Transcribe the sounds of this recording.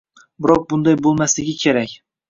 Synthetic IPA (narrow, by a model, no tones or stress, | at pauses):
bɪɾɒq̚bʊnd̪ajbolˠmaslɪɡʲɪkʲʰeɾakʲ